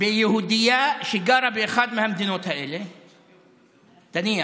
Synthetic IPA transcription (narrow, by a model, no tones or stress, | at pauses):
beːjɐɦuːd̪ijaʃɪɡaːɾabeːxaːt̪mẽɦɐmd̪ɪnõt̪ʰɐeːle | t̪ɐnĩa